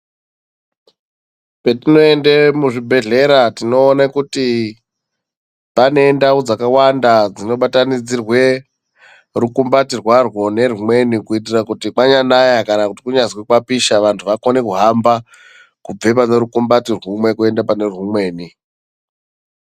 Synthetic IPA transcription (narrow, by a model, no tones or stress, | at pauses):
petino̞endemuʐibʱe̞ɮe̞ɾatino̞ːnakuti | pane̞ndaud͡zakawandad͡zino̞ɓatanid͡zirwe̞ | rukumbatirwarwo̞ne̞rumwe̞nikuit̬irakutikaɲanajakanakutikuɲazwekwapiʃaʋantʰuʋako̞ne̞kuɦamba | kub͡ve̞p̬ane̞ɾukumbatirwumwe̞kue̞ndapane̞rumwe̞ːni